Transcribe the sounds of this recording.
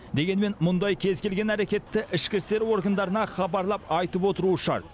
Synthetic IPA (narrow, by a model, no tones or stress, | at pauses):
d̪e̞ɡʲe̞nme̞nmʊnd̪ɑjkʲʰe̞zkʲe̞lɡʲe̞næɾe̞kʲe̞t̪ːɪʔɪʃkʲɪst̪e̞ɾwo̞ɾɡənd̪ɑɾənɑχɑbɑɾlˠɑpɑjt̪əpwo̞t̪əɾuəʃɑ̰ɾt̪̚